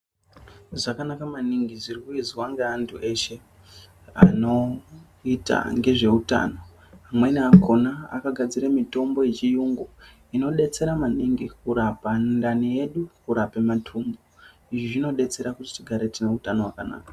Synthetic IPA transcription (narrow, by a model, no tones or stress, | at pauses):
ʐakanakamaniŋɡizirikuiziwaŋɡeantʰuʔe̞ʃe̞ | a̰no̞ | ita̰ŋɡe̞ʐe̞uta̰ːno̞ | amwe̞niako̞naa̰kaɡʱad͡ziɾamito̞mbo̞jet͡ʃijuŋɡo | ino̞ɗe̞t͡se̞ɾamaniŋɡikuɾapandanije̞ɗukuɾapematʰuːmbo | iʐiʐino̞ɗe̞t͡se̞ɾakuti̥t͡ʃiɡʱaɾe̞tine̞utanowakana̰ːka